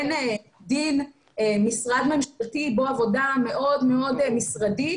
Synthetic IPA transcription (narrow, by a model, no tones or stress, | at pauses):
ne | din | emisʁad̪me̞mʃaltiboavo̞dame̞ʔo̞dmeo̞dmisʁadi